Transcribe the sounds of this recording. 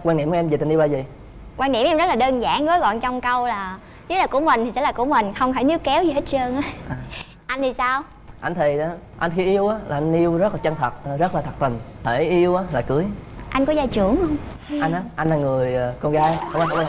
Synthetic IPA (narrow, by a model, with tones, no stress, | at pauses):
kwaː˧nɗi˧˩˨mkːɛ˧mzi˨˩t̪i˨˩ni˧wlaː˨˩zi˨˩ | kwaː˧nɗḭ˧˩əmʔɛ˧mzə˦˥laː˨˩ɗəː˧nza̰ː˧˩˨ŋɣɔ˨˦jɣɔ̰˧˨nt͡ɕɔ˧wŋ͡mkə˧wlaː˨˩ | ɲɨ˦˥laː˨˩ku˧˩əmï˨˩ŋ̟t̪ʰi˨˩sɛ̰˧˥laː˨˩ku˧˩əmï˨˩ŋ̟xə˧wŋ͡mhaː˧˩˦ni˦˥əkkɛ˨˦wzi˨˩he˦˥t̚t͡ɕəː˧ŋʔaː˨˦ʔaː˨˩ | ʔa˧jŋ̟t̪ʰi˨˩saː˧w | ʔa˧jŋ̟t̪ʰi˨˩aː˨˦ʔa˧jn̟xi˧ʔi˧əwʔaː˨˦laː˨˩ʔa˧ŋ̟ʔi˧əwzə˦˥laː˨˩t͡ɕə˧nt̪ʰə˨˩t̚ːzə˦˥t̚laː˨˩t̪ʰə˨˩t̚t̪ï˨˩ŋ̟t̪ʰe˧˩ʔi˧əwʔaː˨˦laː˨˩kɨ˨˦əjʔa˧jŋ̟kɔ˨˦zaː˧jt͡ɕu˧˩əŋhə˧wŋ͡m | ʔa˧jŋnʔaː˨˦ʔa˧ŋlaː˨˩ŋɨ˨˩əjkɔ˧nɣaː˨˦jɔ˧wʔa˧n˧˦˧